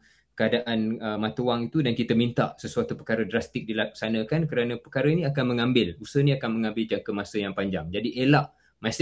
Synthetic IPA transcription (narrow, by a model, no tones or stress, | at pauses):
kəadaʔanəmãt̪uwaŋit̪udankit̪əmint̪aʔsəsuat̪upəkaɾədɾast̪ɪk̚dilak̚sanə̃kankəɾanə̃pəkaɾəinĩakanmə̃ŋãmbɪlusəhniakanmə̃ŋãmbɪld͡ʒaŋkəmasəjaŋpaɲd͡ʒaŋd͡ʒadiʔelaʔ | mãs